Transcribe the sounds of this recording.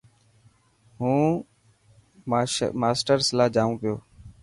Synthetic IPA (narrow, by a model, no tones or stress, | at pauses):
ɦũː | maːsʈəɾslaːd͡ʒaːʋũːpɪjoː